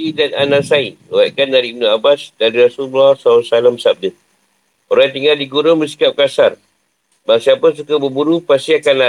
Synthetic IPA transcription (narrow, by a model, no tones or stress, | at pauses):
idananãsainəwaʔkandaɾiːb̚nũabasdaɾiɾasullahsausalamsab̚də | oɾat̪iŋardiɡuɾʊŋbəsi̥kap̚kasar | baŋsiapəs̬ukabəbuɾupast̪iakanla